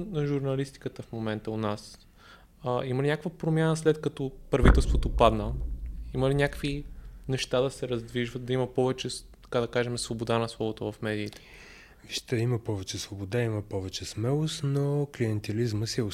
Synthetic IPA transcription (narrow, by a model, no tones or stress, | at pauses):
nɐʒuɾnɐlist̪i̥kət̪əfmomɛnt̪əonas | əiməlinʲakvəpɾomjanəslɛt̪kɐt̪ɔpɾɐvit̪ɛlˠst̪vot̪opad̪nəiməlinʲakvinɛʃt̪ad̪ɐsɛɾɐzd̪viʒvət̪̚d̪ɐimɐpɔvɛt͡ʃɛt̪ɐ̥kad̪ɐkaʒɛmɛsvobod̪anɐslˠɔbot̪ovɐfmɛd̪iːt̪ɛ̥ | viʃt̪ɛiməpɔvɛt͡ʃɛsvobod̪aiməpɔvɛt͡ʃɛsmɛlˠost̪nokliɛnt̪ɛlizməsiɛʊ